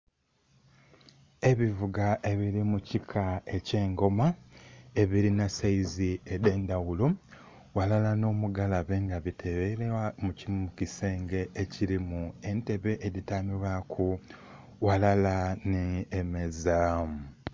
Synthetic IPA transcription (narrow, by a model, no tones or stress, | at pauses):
e̞βivuɡaʔe̞βiɾimucikʰae̞ce̞ːŋɡo̞maeβiɾinasaiziedeːndawulo | walalano̞ːmuɡalaβeŋɡaβitʰeβeɾewamucimukiseːŋɡe̞ʔeciɾimue̞nte̞βe̞ʔeðitamiɾwakʰu | walalaneːmezam